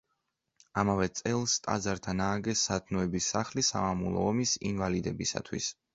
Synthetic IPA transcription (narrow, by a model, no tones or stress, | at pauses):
amavɛt̪sʼɛlˠst̪ʼa̰d̪zaɾt̪ʰanaːɡɛsːat̪ʰnɔɛbisːaχlisa̰mamulˠɔ̰ːmisinvalid̪ɛbisa̰t̪ʰwḭs